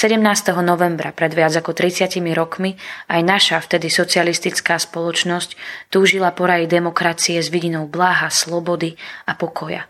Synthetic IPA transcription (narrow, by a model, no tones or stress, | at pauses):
sɛɟɛmnaːst̪ɛɦɔnɔʋɛmbɾapɾɛd̪ʋɪad͡zakɔt̪ɾit͡sɪacimiɾɔkmiajnaʃaft̪ɛd̪isɔt͡sialist̪it͡skaːspɔlɔt͡ʃnɔsct̪uːʒilapɔɾajid̪ɛmɔkɾat͡siɛzʋiɟinɔʊblaːɦaslɔbɔd̪iapɔkʰɔja̰